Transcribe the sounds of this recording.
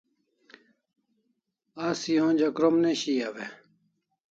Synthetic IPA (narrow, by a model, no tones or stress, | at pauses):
aːsiɦõːd͡ʑɐkɾomneɕiːaʋe